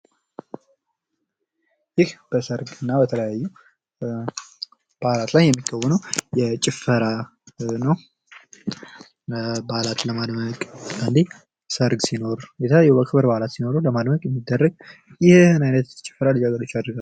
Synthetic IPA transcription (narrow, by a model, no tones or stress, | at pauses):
jɪhb̥əsəɾɡɨnːabət̪ʰələjajːu | b̥alat̪lajːɛmːikʼːəwːɔnəwjɛt͡ʃʼɪfəɾanəw | balat̪ləmad̪məkʼɨnd̪e | səɾɡsino̞ɾjɛt̪ʰələjubəkʰɨβɨɾbalat̪sino̞ɾuləmad̪məkʼjɛmːid̪ːərːəɡ | jɪhɨnajnət̪t͡ʃʼɪ̥fːəɾalɨd͡ʒaɡəɾo̞t͡ʃːad̪ɾɡal